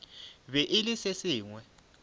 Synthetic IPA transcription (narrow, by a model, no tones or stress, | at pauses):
βɛʔɪlɪsesiːŋwɛ